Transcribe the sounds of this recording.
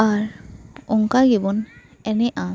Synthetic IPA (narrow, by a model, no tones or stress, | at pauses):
aɹuŋkaɡibɔn | ɛnɛʔã